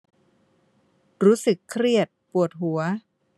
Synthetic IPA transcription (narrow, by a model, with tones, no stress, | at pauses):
ɾuː˦˥sɯ˨˩kʰːɾi˥˩ət̪̚pu˨˩ət̪̚ɦu˩˦ɐ